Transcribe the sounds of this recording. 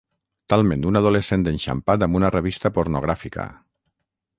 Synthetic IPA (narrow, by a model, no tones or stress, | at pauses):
t̪alˠmẽnd̪unaðolesend̪enʲʃa̰mpat̪̬ambunareβ̞ist̪apoɾnoɣɾafikə̰